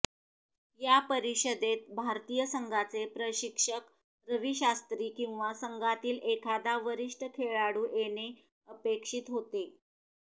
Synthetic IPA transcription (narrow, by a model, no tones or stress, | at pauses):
japəɾiɕəd̪et̪̚bʱaɾt̪iːjəsəŋɡʱat͡sepɾəɕikʂək | ɾəʋiɕast̪ɾiːkĩw̃ʋasəŋɡʱat̪iːlekʰad̪aʋəɾiʂʈəkʰeɭaɽuːʔene | əpekʂit̪ɦot̪e